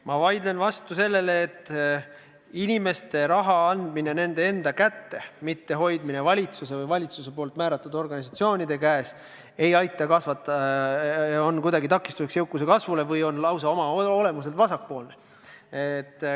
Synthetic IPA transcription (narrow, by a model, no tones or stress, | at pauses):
mɑvɑjd̪lenvɑst̪use̞lːe̞leːt̪ː | inʲime̞st̪e̞ɾɑɦɑɑnd̪minene̞nd̪ee̞nd̪ɑkæt̪ːe̞mit̪ːe̞ɦo̞jd̪mine̞vɑlʲit̪suse̞vɤjvɑlʲit̪suse̞poːlt̪ˑmæːɾɑt̪ːˑud̪o̞rɡɑnʲis̬ɑt̪sio̞ːnʲid̪̥e̞kæːs | e̞jɑjt̪ːˑɑkɑsvɑt̪ːˑɑ | o̞nkujd̪ɑɡit̪ɑkːˑist̪useksjewkːˑuse̞kɑsvule̞vɤjo̞nlɑwsɑo̞mɑole̞mus̬e̞lt̪vɑsɑk̚po̞ːlne | et̪ːˑ